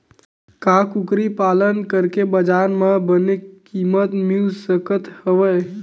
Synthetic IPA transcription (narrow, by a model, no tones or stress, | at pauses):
kakukɾipalənkəɾkebəd͡ʒaɾmẽbənekimət̪milsəkət̪həʋəj